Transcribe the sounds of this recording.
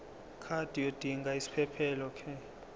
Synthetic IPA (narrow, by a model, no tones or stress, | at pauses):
kʰad̥ʱijod̥ʱiŋɡʱaisi̥pʰɛpʰɛlɔkʰɛ